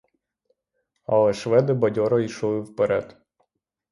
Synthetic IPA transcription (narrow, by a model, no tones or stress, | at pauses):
ɐ̰lˠɛʃʋɛd̪ɪbɐdʲɔɾɔiʃɔlˠɪwpeɾɛd̪